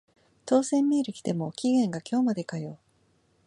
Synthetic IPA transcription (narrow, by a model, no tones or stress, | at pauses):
t̪o̞ːsẽ̞mːʲiːɾɯ̟kʲi̥t̪e̞mo̞kʲiɡẽ̞ŋɡakʲʰo̞ːmad̪e̞kajo̞ː